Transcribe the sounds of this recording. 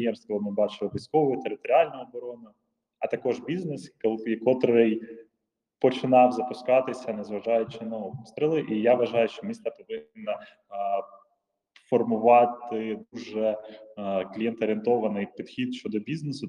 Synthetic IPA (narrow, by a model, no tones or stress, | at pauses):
jɛmst̪ʋɔlˠɪmɪbɑt͡ʃɪlˠɪʋʲijsʲkɔʋɔjit̪eɾɪt̪ɔɾʲiɑlʲnɐɔbɔɾɔnʊ | ɐt̪ɐkɔʒbʲiznɛskɔlˠikɔt̪ɾɔɾɛj | pɔt͡ʃɪnɑwzɐpʊskɑt̪ɪsʲɐnɐzʋɐʒɑjʊt͡ʃɪnɐɔpst̪ɾɪlˠɪʔijaʋɐʒɑjʊʃt͡ʃɔmʲist̪ɐpɔʋɪnːɐ | fɔrmʊʋɑt̪ɪd̪uʒɛ | klʲijɛnt̪ɔɾʲɪnt̪ɔʋɐnɪjpʲid̪xʲid̪ʃt͡ʃɔd̪ɔbʲiznesʊ